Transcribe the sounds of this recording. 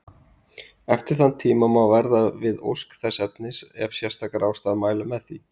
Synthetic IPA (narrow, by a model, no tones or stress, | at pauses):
ɛft̪ɪɾ̥θanːt̪ʰiːmamawvɛɾðavɪðo̰wskθɛsːɛp̚nɪsɛvsjɛst̪ʰakaɾʔaːwst̪aːðmaːjlʏmɛðθi